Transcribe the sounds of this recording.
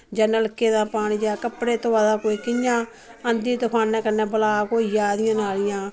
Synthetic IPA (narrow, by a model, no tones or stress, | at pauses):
d͡ʒənələkːeːd̪ãːpaːniːd͡ʒaːkəpɽeːt̪oaːd̪aːkoːiːkɪɲãː | ənd̪iːt̪ʊkʰaːnɛ̃ːkənːɛ̃ːbəlaːkoːijaːd̪ɪjãːnaːlɪjãː